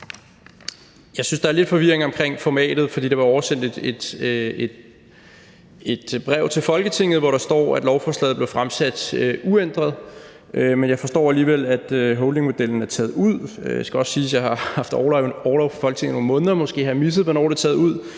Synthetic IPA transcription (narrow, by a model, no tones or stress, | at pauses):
jɑ̈ɪsynsd̥ɑ̈æɐle̝d̥fɒ̽ʋiɐe̝ŋɒ̽mkʰʁeŋ̰fɒmɛ̰ːd̥ð̞̩ˠfɒd̥ḭːd̥eʋɑ̈ɒʊɐsen̰d̥e̥ed̥e̥ | e̝d̥b̥ʁɛʊ̰t͡sʰe̝lfɒ̽lɡ̥ət͡sʰe̝ŋ̰ð̩ˠʋɒɾɑ̈sd̥ɒ̰ːæd̥lɒʊfɒːslɛ̰ːð̩ˠble̝ʊfʁamsæd̥øʔuen̰d̥ʁɐð̞̩ˠ | ʔømenjɑ̈ɪfɒ̽sd̥ɒ̰ːæliːʋel̰æd̥øɦɔʊlde̝ŋmo̝d̥el̰n̩æɐt͡sʰɛ̰ːð̩ˠuð̰ˠøjasɡ̥æɒ̽ssiːsjɑ̈ɪhɑ̈hɑ̈fd̥ɒːlɑʊɒːlɒʊfʰɒ̥fɒ̽lɡ̥ət͡sʰe̝ŋ̰ð̩ˠonmɔ̽ːnðˠɐmɒ̽sɡ̥e̝̰ːhæmis̬əð̩ˠʋɒnɒ̰ːd̥et͡sʰɛːðˠuð̰ˠ